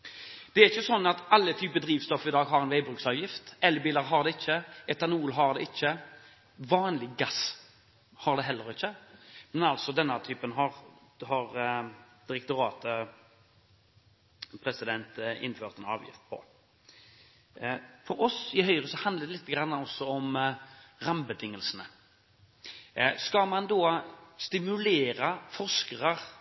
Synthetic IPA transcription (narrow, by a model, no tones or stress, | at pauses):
d̪̥ɛæɾɪçːəsɔnːɑt̪ɑlːət̪ʰyːpəd̪ɾiːʋst̪ɔfɪd̪ɑːɡɦɑɾɛnʋæɪbɾʉːksɑːʋjɪft̪ɛlːbiːləɾɦɑʁd̪ɛɪçːəɛt̪ɑnuːlɦɑʁd̪ɛɪçːə | ʋɑːnlɪɡɑs | hɑɾd̪ɛɦɛlːəɾɪçːəmɛnɑlt̪sɔd̪ɛnːət̪ʰyːpənɦɑɾhɑɾd̪̥ɪɾɛk̚t̪ʊɾɑːt̪ə | pʰɾɛsɪd̪ɛnt̪ɪ̰nføːʁt̪ɛnɑːʋjɪ̰ft̪̚pʰɔ̰ | fɔɾɔsɪɦœʏʁəsɔhɑnd̪ləd̪ɛlɪt̪ːəɡɾɑnːəɔsːɔɔm | ʁɑmbət̪ʰɪŋːəlsənə | skɑmɑnd̪oːst̪ɪmʉleːɾɑfɔʂkəʁəʁ